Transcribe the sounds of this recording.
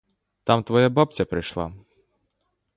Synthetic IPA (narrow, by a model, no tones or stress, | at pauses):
t̪amt̪ʋɔjabapt͡sʲɐpɾɪjʃlˠa̰